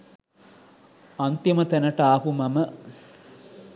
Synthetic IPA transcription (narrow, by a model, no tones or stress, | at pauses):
ɐnt̪jɐmət̪ænəʈaːɦumɐmə